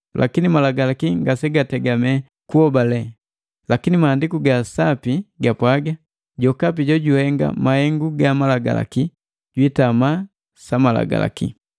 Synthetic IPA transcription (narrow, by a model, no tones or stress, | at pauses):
lʔakinimalaɡalakiŋɡasɛɡatɛɡamɛ | kuhɔbalɛ | lakinimahːndikuɡasapiɡapwaɡa | ɟɔkap̬iɟɔɟuhɛŋɡa̰mahɛŋɡuɡamalaɡa̰la̰ki | ɟ̥witama | samala̰ɡa̰la̰kḭ